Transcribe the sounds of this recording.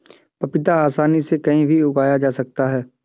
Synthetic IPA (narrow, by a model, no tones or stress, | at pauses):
pɐpɪt̪aaːsaːnisekɐɦĩbʱiʊɡaːjad͡ʒaːsɐk̚t̪aɦɛː